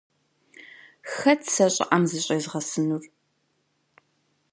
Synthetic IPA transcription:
xɐtʰsɐɕʼɪ̰ʔɐmzɨɕʼejzʁɐsɨnur

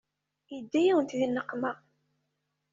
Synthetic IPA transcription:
jəd̪ːæjæwənt̪ðinːəqːmæ

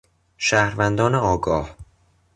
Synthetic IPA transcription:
ʃæːhɾvænd̪ɒːneɒːɡɒːh

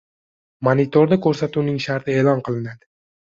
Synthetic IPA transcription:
manit̪ʰoɾd̪akʰɵɾsat̪unɪŋʃaɾt̪ʰɪeːlˠɒnqʰɨlˠɪnad̪ɪ

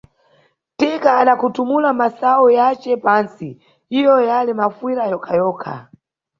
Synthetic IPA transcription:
tɛkaːnakutumulamasaujat͡ʃɛpansi | hijɔjalimafwiɾajɔkʰajɔːkʰa̰

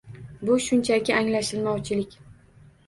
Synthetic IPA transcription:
bʊʃʊnt͡ʃʰakʲɪʔaŋlaʃɪlmɒwt͡ʃʰɪlɪkʲ

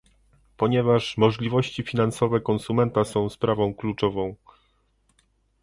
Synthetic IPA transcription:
pɔɲɛvaʂmɔʐlʲivɔɕt͡ɕifʲinansɔvɛkɔnsumɛnt̪asɔ̃w̃spɾavɔ̃w̃klut͡ʂɔvɔ̃w̃

